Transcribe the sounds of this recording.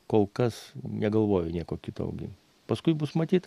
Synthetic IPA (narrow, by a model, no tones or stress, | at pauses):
koːlˠkɐsnʲɛɡɐlˠʋoːjʊnʲiɛkoːkʲɪt̪ɐ̰ʊɡʲɪ̰ | pɐskʊɪbʊsmɐt̪ʲiːt̪